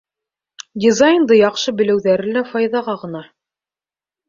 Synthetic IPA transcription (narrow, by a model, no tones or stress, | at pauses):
dʲizajnd̪ɤjɑqʃɤbɘ̆lɘ̆wðæɾɘ̆læfɑjðɑʁɑʁɤ̆nɑ